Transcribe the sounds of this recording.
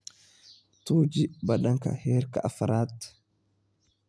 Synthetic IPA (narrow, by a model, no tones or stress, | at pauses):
t̪uːd͡ʒɪbɐᶑɐŋkɐ̰heːɾkɐ̰ʔɐfɐɾaːt̪ː